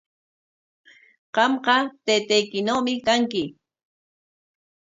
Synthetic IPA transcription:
ɢ̥ɑmqɑt̪ejt̪ajkɪnowmɪkaŋkɪ

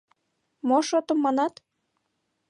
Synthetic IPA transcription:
moʃot̪əmːɑnɑt̪

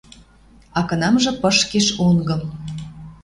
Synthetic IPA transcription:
ɑkɤ̆nɑmʒɤ̆pəʃkeʃoŋɡɤ̆m

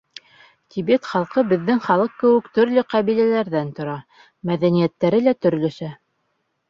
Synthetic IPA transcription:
t̪ʲʰibet̪χɑlˠqɤbɘ̆ðːɘŋχɑlˠɤq̚kɘ̆wɘ̆kt̪ɵ̆ɾlɵqæβilælæɾðænt̪ŏɾɑ | mæðænijæt̪ːæɾɘlæt̪ɵ̆ɾlɵ̆ʃæ

